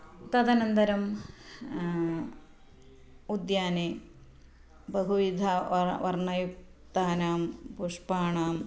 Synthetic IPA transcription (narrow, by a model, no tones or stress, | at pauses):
t̪ɐd̪ɐnɐnd̪ɐɾɐm | ud̪jaːne | bɐɦuʋid̪ʱaʋɐrɳɐjuk̚t̪aːnaːmpuʂpaːɳaːm